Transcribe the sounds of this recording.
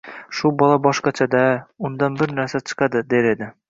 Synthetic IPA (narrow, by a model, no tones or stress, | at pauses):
ʃubɒlˠɑbɒʃqɑt͡ʃʰad̪aʊnd̪ɑnbɪɾnæɾsat͡ʃʰɨ̥qɑd̪ɪd̪eɾed̪ɪ